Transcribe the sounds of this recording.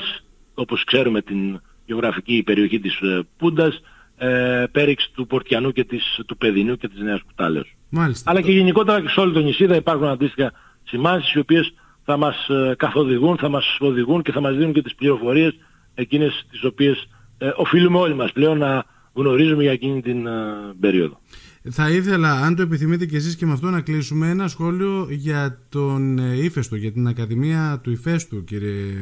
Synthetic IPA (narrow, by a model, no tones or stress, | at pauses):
s | o̞po̞skse̞ɾume̞t̪in | ʝeo̞ɣɾɐficipe̞ɾio̞çit̪ispund̪ɐs | pe̞ɾiksi̥t̪upo̞ɾt̪çɐnuce̞t̪ist̪upe̞ðinuce̞t̪izneosku̥t̪ɐ̰leos | malisɐlɐce̞ʝe̞niko̞t̪e̞ɾɐeseo̞lit̪oɲisiðɐipɐɾxunɐnd̪ist̪ixɐ | simɐnsisio̞pie̞s | θɐmɐskɐθo̞ðiɣunθɐmɐso̞ðiɣunce̞θɐmɐzðinunce̞t̪ispliɾo̞fo̞ɾie̞s | e̞cine̞st̪iso̞pie̞s | ʔo̞filume̞o̞limɐsple̞o̞nːɐ | ɣno̞ɾizume̞ʝɐeciɲit̪inbe̞ɾio̞̰ðo̞θɐiθe̞lɐːnt̪oe̞piθimit̪e̞ce̞sisce̞mɐft̪o̞nɐklisumeenɐsxo̞lio̞ʝɐt̪o̞nife̞st̪oʝɐt̪inɐkɐðimiɐt̪uife̞st̪uciɾie